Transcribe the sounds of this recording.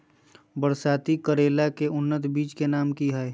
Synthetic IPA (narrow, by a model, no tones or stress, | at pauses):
bəɾsaːt̪ikəɾeːlakeʊnːət̪biːt͡ʃkenaːmkiɦae